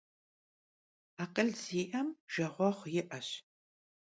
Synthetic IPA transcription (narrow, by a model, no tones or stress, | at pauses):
aːqəɮz̥iːʔɐmʒ̥ɐʁʷɔχʷjɪʔɐɕ